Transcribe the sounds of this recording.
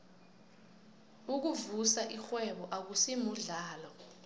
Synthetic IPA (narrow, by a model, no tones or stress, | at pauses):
uk̬uvusaʔixwɛɓɔʔak̬usimuɮaːlɔ